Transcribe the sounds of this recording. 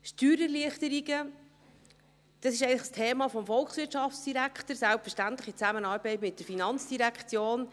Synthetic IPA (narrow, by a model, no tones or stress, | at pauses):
ʃtyːɾəɾliəχtəɾiɡə | d̥ɑsɪʃ̬ɛɪɡnləχəstʰeːmɑfɔmfɔlksʋɪɾtʃɑft͡sd̥iɾækχtəɾsælpfəʃtænt̪ləχit͡sæmənɑːɾbɛɪtmɪt̚d̥əɾfinɑnt͡sd̥iɾækχt͡sjoːn